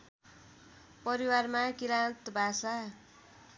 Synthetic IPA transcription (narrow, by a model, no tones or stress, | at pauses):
pʌɾiwarmakiɾalt̪bʱasa